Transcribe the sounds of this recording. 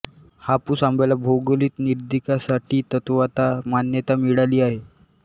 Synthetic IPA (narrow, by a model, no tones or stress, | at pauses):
hapuːsambʱalabʱoɡliːt̪niɾd̪ikasaʈiːt̪ət̪ʋat̪amanjət̪amiɽaliːaɦe